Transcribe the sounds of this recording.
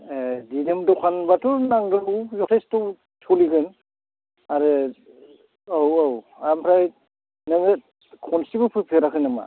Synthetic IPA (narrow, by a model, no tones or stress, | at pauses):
edidemdɔkʰanbatɔɾnaŋdɯlujɔtʰestɔ | tʰuliɡɯn | aɾe | awaw | ampʰɾaj | nɯme | kʰɔnsibɯpʰɯpʰeɾakʰɯnɯma̰